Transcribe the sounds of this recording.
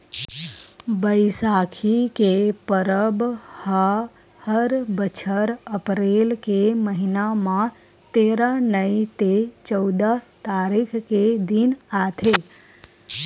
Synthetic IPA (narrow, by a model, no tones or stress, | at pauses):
bəɪsaːkʰikepəɾəbha | həɾbət͡ʃʰəɾəpɾelkeməɦinamã | t̪eːɾanəit̪et͡ʃəʊd̪ət̪aːɾikʰked̪inat̪ʰe